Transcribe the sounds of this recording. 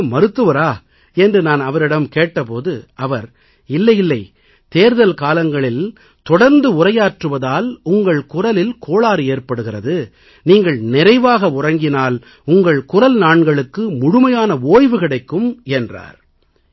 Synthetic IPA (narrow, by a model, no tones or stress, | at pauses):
mɐɾɯt̪ːɯʋɐɾaː | ɛndrɯnaːnɐʋɐɾɪɽɐmkeːʈːɐpoːðɯʔɐʋɐɾ | ɪlːɐjɪlːɐɪ | t̪eːɾðɐlkaːlɐŋɡɐɭɪl | t̪ɔɽɐɾnd̪ɯʊrɐjaːʈrɯʋɐðaːlʊŋɡɐɭkʊrɐlɪlkʰoːɭaːɾɯeːrpɐɽɯɣɪrɐðɯ | niːŋɡɐɭnɪrɐɪʋaːɣɐʊrɐŋɡɪnaːl | ʊŋɡɐɭkʊrɐlnaːɳɡɐɭɯkːɯmʊɽʊmɐjaːnɐoːjʋɯkɪɽɐɪkːɯmɛndra̰ːɾ